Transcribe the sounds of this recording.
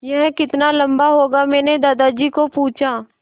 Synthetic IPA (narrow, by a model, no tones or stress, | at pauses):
jɐɦɛ̃kɪt̪nalɐ̃mbaɦoːɡamɛ̃ːned̪aːd̪ad͡ʒiːkopuːt͡ʃʰa